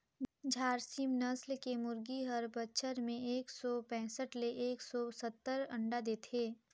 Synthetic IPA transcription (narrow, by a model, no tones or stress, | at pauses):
d͡ʒʱaːɾsimnəslkemʊɾɡiɦəɾbətːʃʰəɾmẽeːksɔpɛ̃ːsəʈleʔeːksɔsət̪ːəɾɐ̃ɳɖad̪eːt̪ʰeː